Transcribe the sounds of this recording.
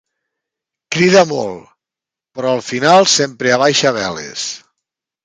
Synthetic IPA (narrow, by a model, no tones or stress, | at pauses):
kɾiðəmɔ̰lˠ | pɾɔəlˠfinalˠsempɾeaβajʃaβɛlḛs